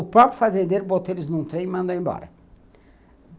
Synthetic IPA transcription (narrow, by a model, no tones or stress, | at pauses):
ʊpɾɔpɾʊfazẽnd̪eɾʊbot̪eɾʊznũt̪ɾẽj̃mɐ̃nd̪oẽbɔ̰ɾɐ